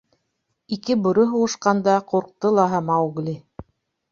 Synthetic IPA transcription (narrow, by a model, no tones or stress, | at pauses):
ikɘbŏɾoɦuʁɤ̆ʃqɑnd̪ɑquɾq̚t̪ɤlˠɑɦɑmɑuɡlʲi